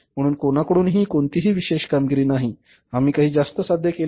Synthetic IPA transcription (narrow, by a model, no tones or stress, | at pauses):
m̤əɽ̃uːnkonakəɽuːnɦiːkoɳt̪iɦiːʋiɕeɕkamɡiɾiːnaɦi | amiːkaɦiːd͡zast̪əsad̪ʱjəkel